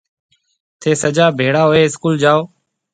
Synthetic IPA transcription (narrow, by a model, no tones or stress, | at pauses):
t̪ʰeːsəd͡ʒaːbʱeːɽaːɦoːeːɪskuːld͡ʒaːoː